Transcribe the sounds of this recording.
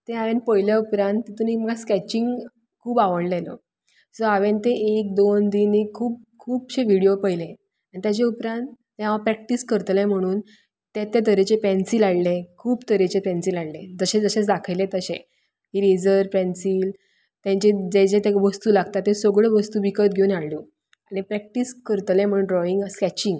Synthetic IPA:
t̪ẽaʋẽnpəjljaupɾãnt̪ːet̪umim̤əɡaskɛt͡ɕiŋɡ | kʰuːbaʋəɽlelo̰ | soaʋent̪eʔek̚d̪ond̪iːnikʰuːp̚kʰuːbɕeʋiɽijopəjle | aɽ̃it̪jat͡ɕeupɾãnt̪ːẽɦaʋapɾɛk̚ʈiskəɾt̪lẽm̤əɽ̃uːn | t̪ẽt̪ːet̪əɾet͡ɕepɛ̃nsiːlaɽlekʰuːpt̪əɾet͡ɕepɛ̃nsilaɽled͡zəɕed͡zəɕet͡sd̪akʰəjlet̪əɕḛ̃ | kiːɾed͡zəɾpɛ̃nsiːl | t̪jãɲt͡ɕed͡ʑet͡ɕet̪eʋəst̪uːlaɡt̪at̪ːẽsoɡɭeʋəst̪uːʋikət̪̚ɡʱeunaɭluː | aɽ̃ipɾɛk̚ʈiskəɾt̪lɛ̃m̤əɽ̃uːnɖɾɔiŋɡskɛt͡ɕĩŋɡ

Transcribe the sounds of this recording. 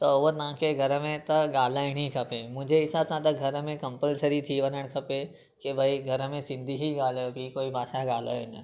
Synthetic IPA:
t̪ɐʊʋt̪ɐʋ̤ãkʰeɡʱɐɾəmẽt̪ɐɡaːl̤aːɪɽ̃ikʰɐpemʊ̃ɦɪ̃ɲd͡ʑʱeɦɪsaːbsãt̪ɐɡʱɐɾəmẽkɐ̃mpəlsəɾit̪ʰiʋɐnəɽ̃kʰɐpe | kebʱaiɡʱɐɾəmẽsɪ̃nd̪ʱiɦiɡaːljobʱikoːibʱaːʃaɡaːl̤a̰ːɪn

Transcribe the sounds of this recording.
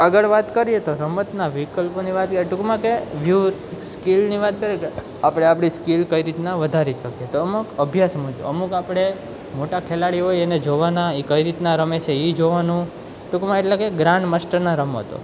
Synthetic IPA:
əɡəɭʋat̪kəɾijet̪oɾəmət̪naʋikəlponiʋat̪̚kəɾieʈukmãkeʋjuskilniʋat̪̚kəɾieke | apɽ̃eapɽ̃iskilkəiɾit̪nãʋəd̪ʱaɾiʃəkjet̪oəmukəbʱjasmũd͡ʒo̰əmukapɽ̃e | moʈakʰelaɽiɦojened͡ʒoʋanaikəiɾit̪naɾəmet͡ʃʰeid͡ʒoʋanũ | ʈukmãeʈlekeɡɾaɳɖməsʈəɾnaɾəmə̰t̪o̰

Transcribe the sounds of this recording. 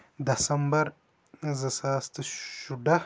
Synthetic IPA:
d̪ɐsɐmbɐɾ | zɐsaːst̪ɐʃuɖɐ

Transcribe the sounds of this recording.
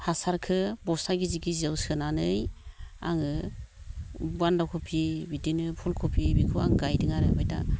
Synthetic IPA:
hasaɾkʰɯbɔsaɡiziɡizewsɯnanɯja̰ŋɯ | bwandawkʰɔpʰibidinɯpʰulkʰupʰibikʰɯa̰ŋɡajdɯŋaɾɯbajda̰

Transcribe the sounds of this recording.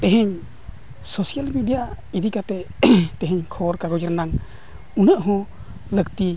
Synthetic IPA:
t̪ɛ̃ɦɛɲ | sɔsialmiɖija | id̪ikat̪ɛt̪ɛ̃ɦɛ̃ɲkʰɔɾkaɡɔd͡ʒəɾnaŋ | unəʔɦɔ̃ | ləkt̪i

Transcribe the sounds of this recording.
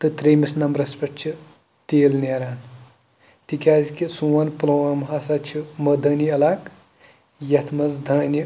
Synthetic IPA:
t̪ɨt̪ɾeːmisnɐmɾɐspɐʈt͡ʃʰi | t̪eːlneɾaːn | t̪ikʲaːzkisuwɐnplɐwamɦaːsat͡ʃʰimɐd̪ɐniɐlaːk | jɐt̪ʰmɐzd̪ʱɐːni

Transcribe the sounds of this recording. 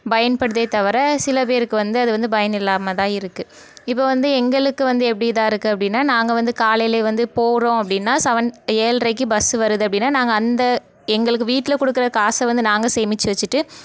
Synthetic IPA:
bɐjɐnpɐɽɯðɐɪt̪ɐʋɐɾɐsɪlɐp̬eːɾɯkːɯʋɐnd̪ɯɐðɯʋɐnd̪ɯbɐjɐnɪlːaːmɐt̪ãːɪɾɯkːɯ | ɪpːoːʋɐnd̪ɯɛŋɡɐɭɯkːɯʋɐnd̪ɯɛpːɐɽɪjt̪ãːɪɾɯkːɯɐpːɐɽɪnːaːnaːŋɡɐʋɐnd̪ɯkaːlɐjleːʋɐnd̪ɯpoːɾõːɐpːɐɽɪnːaːsɐʋɐneːlrɐɪkːɯbɐsɯʋɐɾɯðɯɐpɐɽɪnːaːnaːŋɡɐːnd̪ɐ | ɛŋɡɐɭɯkːɯʋiːʈːɪlɐkɔɽɯkːɯɾɐkaːsɐʋɐnd̪ɯnaːŋɡɐseːmɪt͡ʃːɯʋɐt͡ʃːɯʈːɯ

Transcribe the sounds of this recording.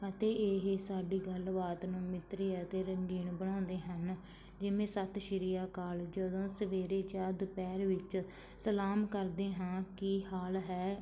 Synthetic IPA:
ət̪eːeːɦsaːɖiːɡəlʋaːt̪nũːmɪt̪ɾiːət̪eːɾəŋɡiːɳbəɽ̃ãːnd̪eːɦən | d͡ʒɪʋẽːsət̪ʰʃəɾijaːkaːld͡ʒəd̪õːsəʋeːɾeːt͡ʃaːd̪pɛːɾʋɪt͡ʃsəlaːmkəɾd̪eːɦãːkɪhaːlɦɛː

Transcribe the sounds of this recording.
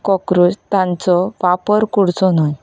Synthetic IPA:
kɔkɾud͡zt̪ãnt͡sɔʋapəɾkuɽt͡sɔnaj

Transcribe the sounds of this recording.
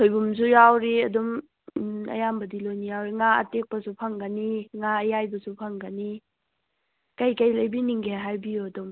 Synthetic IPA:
tʰojbums̬ujawɾiɐdum | ɐ̰jambɐdilojnijawɾiŋaɐ̰tek̚pɐsupʰɐŋɡɐniŋaɐjajbɐsupʰɐŋɡəni | kɐjkɐjlɐjbiniŋɡeɦajbijuɐdum

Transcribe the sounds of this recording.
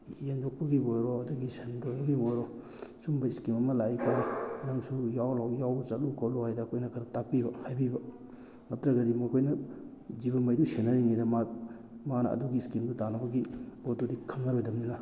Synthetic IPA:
jend͡ʒok̚pɐɡibojɾoɐdɐɡisendojbɐɡibojɾo | sumbɐiskimɐmɐlajikʰaɾinaŋsujawlawjawt͡ʃɐtlukʰawlohajdɐːkʰojnɐkʰɐɾɐtak̚pibɐhajbibɐ | mɐtɾɐɡɐdimokʰojnɐ | zibɐmɐjdusenːɐɾiŋidɐma | manɐ̰ɐ̰duɡiskimdutanɐbɐɡibotodikʰɐmnɐɾojdɐmninɐ

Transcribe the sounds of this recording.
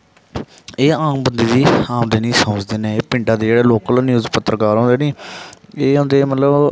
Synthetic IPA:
eːãːŋbənd̪iːd̪iːãːmd̪eːnĩːsəməd͡ʒd̪eːneːeːpɪɳɖãːd̪eːd͡ʒeːɽeːloːkəlːnɪuːzpət̪ːɾəkaːɾɦõːnd̪eːnĩːeːɦõːnd̪eːmət̪ləb

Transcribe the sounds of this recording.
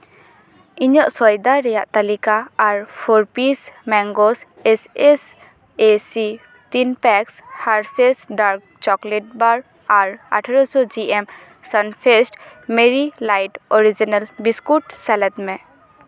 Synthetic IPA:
iɲɔʔsɔjd̪aɾɛjaʔt̪alikaːɹpʰɔɾpismɛŋɡɔs | eses | esi | t̪inpɛkshaɹsesɖaɾk̚ | t͡ʃɔkleʈ̚baɾ | aɹa̰ʈʰaɹɔsɔd͡ʒiem | sanpʰesʈmeɹilajʈɔɹid͡ʒinalbiskuʈsɛlɛt̪mɛ

